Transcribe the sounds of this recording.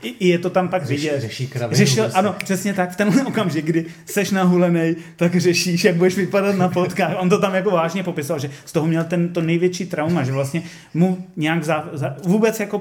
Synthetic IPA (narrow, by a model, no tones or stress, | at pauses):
ʔɪʔɪjɛt̪o̞t̪ampakvɪɟɛt̪ʃikɾarɛʃɪlʔanopr̥ɛsɲɛt̪akft̪ɛnɦlɛʔokamʒɪɡ̚ɡdɪ | sɛʃnaɦulɛnɛjt̪akr̝ɛʃiʃjaɡ̚budɛʃvɪpadat̪napot̪kaːxʔont̪ot̪amjakovaːʒɲɛpo̞pɪsovalʒɛst̪o̞ɦomɲɛlt̪ɛnt̪onɛjvjɛt͡ʃiːt̪ɾawmaʒɛvlast̪ɲɛ | muɲɛjaɡzazavuːbɛt͡sjako